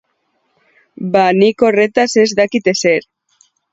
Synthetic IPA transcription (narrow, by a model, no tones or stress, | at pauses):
banikoret̪asezd̪akit̪eseɾ